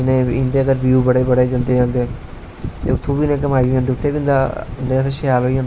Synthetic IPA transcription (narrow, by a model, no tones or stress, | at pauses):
nẽːɪnd̪eːəɡəɾʋiuːbəɽeːbəɽeːd͡ʒə̃nd̪eːd͡ʒãːnd̪eː | t̪ḛːʊt̪ʰːõːbiːnẽːkəmaːiiãnd̪eːʊt̪ʰːeːbiːnd̪a̰nd̪eːseʃɪjaːloːiːãːnd̪e